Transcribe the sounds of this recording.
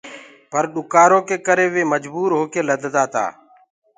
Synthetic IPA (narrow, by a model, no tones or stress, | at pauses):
pəɾɗʊkaːɾõːkeːkəɾeːʋeːməd͡ʒbuːɾɦoːkeːləd̪ʱd̪aːt̪a̰ː